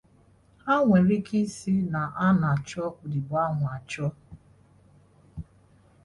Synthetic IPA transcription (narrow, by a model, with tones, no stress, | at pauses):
ha˦ŋʷe˨ɾi˦ki˦si˦na˨ʔa˦na˨t͡ʃɔ˦kʷʊ˨di˨ba˦ŋʷ˨a˨t͡ʃɔ˦